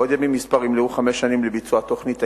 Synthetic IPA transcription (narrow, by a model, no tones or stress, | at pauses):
od̪jamimːispaʁimliuχameʃanimlebit͡suat̪oχnit̪a